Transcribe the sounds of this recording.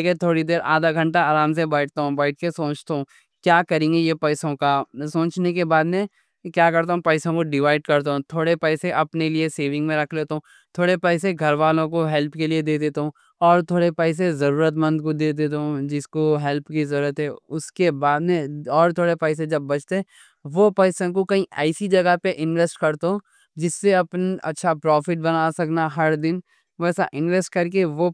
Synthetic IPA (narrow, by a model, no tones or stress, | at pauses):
ket̪ʰoːɽid̪eːɾʔa̰ːd̪aɡʱɐ̃ɳʈaaːɾaːms̬ebɛːʈʰt̪aɦũbɛːɪʈ̚kesoːt͡ʃt̪aɦũ | kjaːkɐɾẽːŋɡejepɛːɪsõkasoːt͡ʃnekebaːd̪mẽ | kjaːkɐɾt̪̬aɦũpɛːsõkoɖɪʋaːɪɖkɐɾt̪̬aɦũt̪ʰoːɽepɛːɪseʔɐpnelieseːʋɪ̃ŋɡmẽɾɐkʰleːt̪ɦũ | t̪ʰoːɽepɛːɪseɡʱɐɾʋaːlõkoɦɛlpkelied̪eːd̪eːt̪aɦũː | ɔːɾt̪ʰoːɽepɛːs̬ezɐɾuːɾət̪mɐ̃nd̪kod̪eːd̪eːt̪eɦũd͡ʒɪskoɦɛlpkizɐɾuːɾət̪ɦɛʊskebaːd̪mẽɔːɾt̪ʰoːɽepɛːs̬ed͡ʒɐbːɐt͡ʃʰt̪eɛ̃ | ʋopɛːsõkokɐɦĩɛːsid͡ʒɐɡəpeʔɪ̃nʋesʈkɐɾt̪ɦõ | d͡ʒɪsːeɐpnɐ̰tːʃʰapɾɔːfɪʈ̚bɐnasɐknaɦɐɾd̪ɪn | ʋɛːsa̰ʔɪ̃nʋɛsʈ̚kɐɾkeʋo